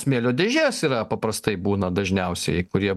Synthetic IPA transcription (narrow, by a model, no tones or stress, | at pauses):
smʲeːlʲoːd̪ʲeːʒʲeːsiːɾɐpɐpɾɐst̪ɐɪbuːnɐd̪ɐʒʲnʲɛʊsʲɛ̰ɪɪkʊɾʲiɛ